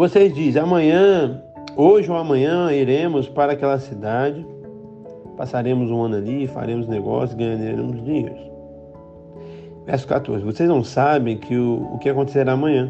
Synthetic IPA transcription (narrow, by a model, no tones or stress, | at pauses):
vosezd͡ʒizamɐ̃ɲɐ̃ | oʒɪowamɐ̃ɲɐ̃iɾẽmʊspaɾakɛlɐsid̪ad͡ʒɪ | pasaɾẽmʊzũɐ̃nʊalifa̰ɾẽmʊzneɡɔ̰sjʊzɡɐ̃jaɲaaɾḛ̃mʊzd͡ʒĩɲḛjɾʊs | vɛ̰ɾsʊ̥ka̰t̪oɾzɪvosejznɐ̃w̃sabẽj̃kʰɪʊʊ̰kɪakõnt̪e̥seɾaːmɐ̃ɲɐ̃